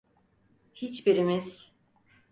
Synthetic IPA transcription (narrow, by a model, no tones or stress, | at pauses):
hit͡ʃbiɾimiz̥